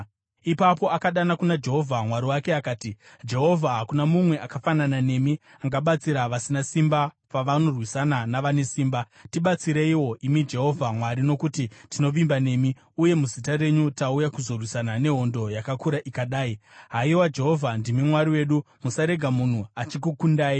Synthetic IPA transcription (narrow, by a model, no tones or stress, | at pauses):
ipapo̞akaɗanakunad͡ʒe̞ɦo̞vʱamwaɾiwake̞akaːti | d͡ʒe̞ɦo̞vʱaɦakunamumwe̞ʔakafananane̞mi | aŋɡaɓat͡siɾaʋasinasimba | paʋano̞rwisananaʋane̞siːmba | tiɓat͡siɾeiwo̞ʔimid͡ʒe̞ɦo̞vʱamwaɾino̞kutitino̞ʋimbane̞ːmi | uje̞muzitare̞ɲutaujakuzorwisanane̞ɦo̞ndo̞jakakuɾaʔikaɗaːiɦaiwad͡ʒe̞ɦo̞vʱandimimwaɾiwe̞ːɗu | musaɾe̞ɡʱamun̤uat͡ʃikukundaːi